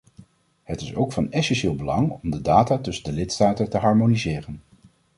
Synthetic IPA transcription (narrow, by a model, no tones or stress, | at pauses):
ɦətɪsowkfɑnɛsɛnʃɪːlˠbəlɑŋɔmdədaːtaːtɵsəndəlɪtstaːtəntəɦɑɹmonizɪːrən